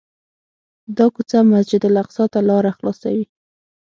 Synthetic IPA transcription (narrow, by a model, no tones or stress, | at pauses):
d̪ɑkut͡samasd͡ʒɪd̪laqsɑt̪alɑɾaxlɑsa̰wi